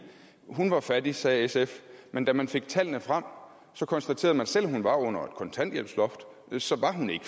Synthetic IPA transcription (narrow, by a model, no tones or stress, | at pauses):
ɦunʋɑ̈fædisɛːesefmend̥æmænfe̝ɡ̥̚t͡sʰæl̰nəfʁɑm̰ | sɒ̽kʰɒ̽nsd̥æt͡sʰe̝ːɐð̩ˠmænsel̰hunʋɑ̈ɔ̽n̰ɐe̝d̥kʰɒ̽nt͡sʰæn̰d̥jem̰slɒ̽fd̥ | sɒ̽ʋɑ̈ɦune̝ɡ̥ə